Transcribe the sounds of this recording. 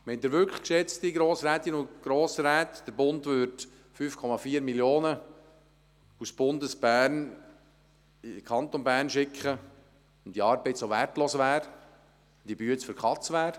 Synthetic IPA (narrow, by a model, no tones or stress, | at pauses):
mɛnd̪ɪɾʋʏɾklə̥kʃɛt͡stiɡɾoːsɾɛːt̪inʊnɡ̥ɾoːsɾɛːt̪d̥əɾbʊndvʏɾt | fyːfkʰɔmɑfiːəɾmiljoːnə | usb̥ʊndəsb̥æːɾn | kʰχɑnt̪ɔnbæːɾnʃɪkχə | ʊnd̥iɑːɾbɛɪtsoværtloːsʋæːɾ | d̥ibyət͡sfəɾkʰχɑt͡sʋæːɾ